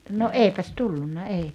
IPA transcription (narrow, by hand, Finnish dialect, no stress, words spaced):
no eˑipæs tulːunːɑ ei